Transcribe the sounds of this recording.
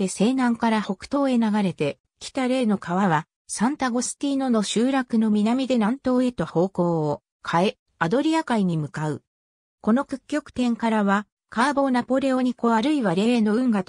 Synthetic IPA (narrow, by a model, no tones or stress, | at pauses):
ese̞ːnãŋkaɾaho̞kɯ̟̥t̪o̞ːe̞naɡaɾe̞t̪e̞ | kʲi̥t̪aɾe̞ːno̞kaβaβa | sãnt̪aɡo̞sɨ̥t̪ʲiːno̞no̞ɕɨːɾakɯ̟no̞mʲinamʲid̪e̞nãnt̪o̞ːe̞t̪o̞ho̞ːko̞ːo | kʰae̞ | ad̪o̞ɾʲiakaiɲ̟imɯ̟kaɯ̟ | ko̞no̞kɯ̟̥kʲːo̞kɯ̥t̪ẽ̞ŋkaɾaβa | kaːbo̞ːnapo̞ɾe̞o̞ɲ̟iko̞βaɾɯ̟iβaɾe̞eːno̞ɯ̟̃ŋɡat̪